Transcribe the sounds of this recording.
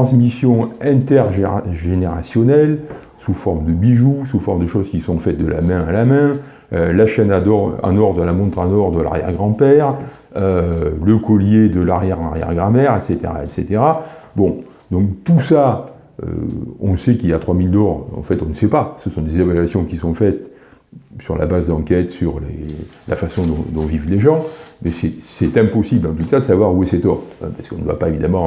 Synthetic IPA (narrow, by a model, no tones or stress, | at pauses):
t̪ɑ̃smisjɔ̃ɛ̃t̪ɛʁʒʒeneʁa̰sjɔnɛl | sufɔʁməd̪əbiʒusufɔʁmd̪əʃozkʲisɔ̃fɛt̪̚d̪əlʔa̰mɛ̃alamɛ̃ | ølaʃɛnad̪ɔʁã̰nɔʁd̪ʁalamɔ̃t̪χɑ̃nɔʁd̪ʁəla̰ʁjɛ̰ʁɡʁɑ̃pɛʁ | øləkɔljed̪əlaʁjɛʁɑ̃ʁjɛ̰ʁɡʁãmɛʁɛt̪set̪ḛʁa̰ɛt̪set̪eʁabɔ̃ | d̪ɔ̃kt̪usa | ø̰ɔ̃sɛkiljat̪χwamild̪ɔʁɑ̰̃fɛt̪ɔ̃nəsɛpasəsɔ̃d̪ezevalɥasjɔ̃kʲisɔ̃fɛt̪ | syʁla̰bazd̪ɑ̃kʲɛt̪syʁlḛla̰fasɔ̃d̪ɔ̃d̪ɔ̃vivleʒɑ̃mɛsɛsɛt̪ɛ̃pɔsiblɑ̃t̪usad̪əsavwaʁuɛsɛt̪ɔʁɛ̰̃pḁskɔ̃nəd̪wa̰paevid̪amɑ̃